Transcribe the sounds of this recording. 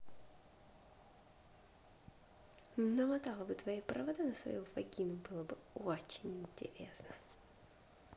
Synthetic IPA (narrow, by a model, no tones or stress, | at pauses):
nəmɐt̪alˠəbɨt̪vɐjapɾʔəvɐd̪anəsvɐ̰juvɐ̰ɡʲinʊbɨlˠəbɨot͡ɕɪnʲɪnʲtʲɪ̰ɾʲesnə